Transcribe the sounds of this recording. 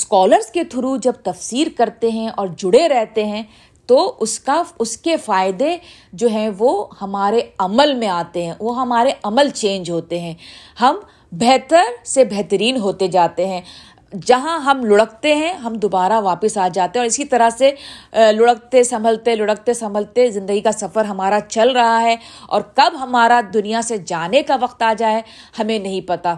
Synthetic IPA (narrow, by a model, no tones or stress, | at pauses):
skɔːləɾzket̪ʰʊɾud͡ʒɐb̚t̪ɐfsiːɾkɐɾt̪eɦɛ̃ʔɔːɾd͡ʒʊɽeɾɛɦt̪eɦɛ̃ː | t̪oʊskaʊskefaːɪd̪ed͡ʒoːɦɛ̃ʋohɐmaːɾeɐməlmẽaːt̪eɦɛ̃ʋoɦɐmaːɾeʔɐməlt͡ʃẽːnd͡ʒɦoːt̪eɦɛ̃ːhɐm | bɛɦt̪əɾsebɛɦt̪əɾiːnɦoːt̪ed͡ʒaːt̪eɦɛ̃ː | d͡ʒɐɦãɦɐmlʊɽək̚t̪eɦɛ̃ɦɐmd̪oːbaːɾaʋaːpəsaːd͡ʒaːt̪eɦɛ̃ɔːɾɪsit̪ɐɾəselʊɽək̚t̪esɐmʱəlt̪elʊɽək̚t̪esɐ̃mʱəlt̪ezɪ̃nd̪əɡikasɐfəɾɦɐmaːɾat͡ʃɐlɾɐɦaɦɛɔ̰ːɾkɐbɦɐmaːɾad̪ʊnijased͡ʒaːnekaʋɐqt̪aːd͡ʒaːe | hɐmẽnɐɦĩpɐt̪a